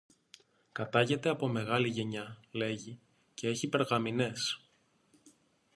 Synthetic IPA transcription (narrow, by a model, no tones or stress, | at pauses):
kɐt̪ɐʝe̞t̪e̞ɐpo̞me̞ɣɐliʝe̞ɲɐle̞ʝi | ce̞e̞çipe̞ɾɣɐmine̞s